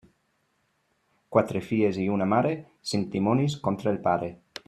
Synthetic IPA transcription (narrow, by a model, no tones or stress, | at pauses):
kwat̪ɾefieziunamaɾe | sent̪imoniskont̪ɾailpaɾe